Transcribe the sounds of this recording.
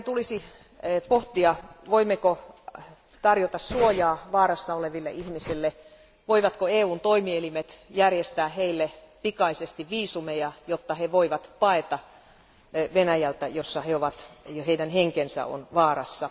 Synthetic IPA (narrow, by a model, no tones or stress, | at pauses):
et̪ulisi | poht̪iɑʋoimːeko | t̪ɑrjot̪ɑssuojɑːʋɑːrɑsːɑoleʋilːḛʔihmisilːe | ʋoiʋɑt̪koeːuːnt̪oimielimet̪jærjest̪æːheilːe | pikɑisest̪iʋʋiːsumejɑjot̪ːɑheʋoiʋɑt̪pɑet̪ɑ | ʋenæjælt̪æjosːɑheoʋɑt̪heidænheŋkensæ̰o̰nʋɑːrɑsːɑ